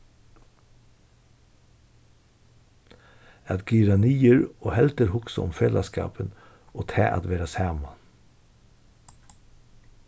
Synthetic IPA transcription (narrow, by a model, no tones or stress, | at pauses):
ɑt̪ɡyɾɑniːəɾoːhɛlt̪əɾhʊksʊʊ̰mfelʔɑ̰skɑ̰ːpən | oːt̪ʰæ̰ːʔɑ̰t̪ʋeːɾɑsæːmɑ